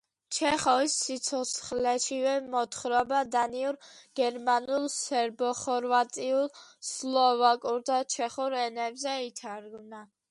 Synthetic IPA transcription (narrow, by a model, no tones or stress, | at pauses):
t͡ʃʰɛχɔisːit̪sʰɔt̪sʰχlɛʃivɛmɔt̪ʰχɾɔbad̪aniuɾɡ̥ɛɾmanulˠsɛɾbɔχɔɾvat̪ʼiulˠslˠɔvakʼuɾd̪at͡ʃʰɛχuɾɛnɛbzɛit̪ʰaɾɡvna